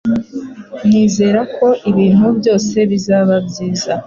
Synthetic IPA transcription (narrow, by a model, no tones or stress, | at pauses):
n̥iːze̞ːɾakʰo̞ʔiβiːn̥hubɟo̞ːse̞βizaːβabɟiːza